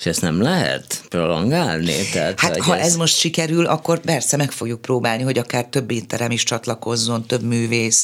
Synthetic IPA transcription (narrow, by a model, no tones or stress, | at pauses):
ʃɛst̪nɛmlɛɦɛ̰t̪prolɔŋɡaːlnḭt̪ɛɦat̪haɦɒʔɛzmo̞ʃt̪ʃikɛɾylʔɒkːo̞rpɛrsɛmɛkfo̞ɡjuk̚proːbaːlniɦo̞ɟɒkaːrt̪ø̞bːeːt̪ːɛɾɛmiʃt͡ʃɒt̪lɒko̞zːo̞nt̪ø̞bmyːveːs